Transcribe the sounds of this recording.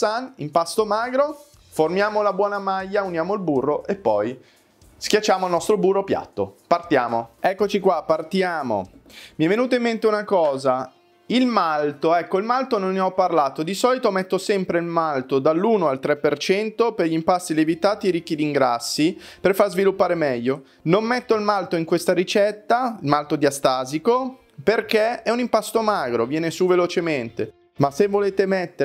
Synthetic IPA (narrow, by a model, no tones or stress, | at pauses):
anḭmpast̪omaːɡɾo | formjaːmolabwɔːnamajːaunjaːmoilburːoʔepːɔj | skjat͡ʃːaːmoalnɔst̪ɾoburːopja̰t̪ːo̰part̪jaːmoɛkːot͡ʃikwapːart̪jaːmo̰miɛvːenuːt̪̬aimːent̪eunakɔːza | ilmalt̪oɛkːoilmalt̪ononːeɔpːarlaːt̪od̪isɔːlit̪omɛt̪ːosɛmpɾeilmalt̪od̪alːuːnoalt̪ɾɛpːert͡ʃɛnt̪operʎimpast̪ilevit̪aːt̪ieɾik̟ːid̪iŋɡɾasːi | perfarzvilupːaːɾemɛʎːo | nomːɛt̪ːoilmalt̪oiŋkwest̪aɾit͡ʃɛt̪ːailmalt̪od̪jiast̪aːziko | perkeɛunimpast̪omaːɡɾovjɛːnesuvelot͡ʃement̪e | masevːoleːt̪emɛt̪ːe